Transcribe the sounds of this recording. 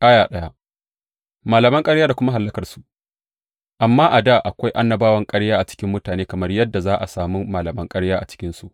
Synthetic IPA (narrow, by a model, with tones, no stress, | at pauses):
ʔa˦jaː˨ɗɐ˦ja˦ | maː˨lɐ˨mɐ˦ŋkʼɐ˦ɽjaː˦da˨kʷʊ˦ma˦ɦa˨lːɐ˦kɐ˨rsu̥˨ | ʔa˨mːaː˦ʔa˨da˦ʔa˨kʷa˦jʔa˦nːɐ˨baː˦wɐ˦ŋkʼɐ˦ɽjaː˦ʔa˨t͡ʃɪ̥˦kʲɪ˦mːʊ˦taː˨neː˦kɐ˨mɐ˦rjɐ˦dːa˨zaː˦ʔa̰˨saː˨mu˦maː˨lɐ˨mɐ˦ŋkʼɐ˦ɽjaː˦ʔa̰˨t͡ʃɪ̥˦kʲɪ˦nsu˦ʔ